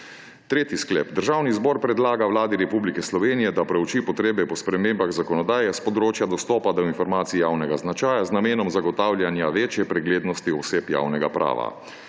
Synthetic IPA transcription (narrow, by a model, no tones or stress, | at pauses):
t̪ɾeːt̪isklɛ̰ːpd̪əɾʒaːwnizbɔːɾpɾɛd̪laːɡawlaːd̪iɾɛpublikɛslɔʋeːnijɛd̪apɾɛwt͡ʃipɔt̪ɾeːbɛpɔspɾɛmeːmbaɣzakɔnɔd̪aːjɛspɔd̪ɾoːt͡ʃjad̪ɔst̪ɔːpad̪ɔinfɔɾmaːt̪siijaːwnɛɡaznat͡ʃaːjaznameːnɔmzaɡɔt̪aːwlʲjanjaʋeːt͡ʃjɛpɾɛɡleːd̪nɔst̪iɔseːpja̰wnɛɡa̰pɾʔa̰ːʋa̰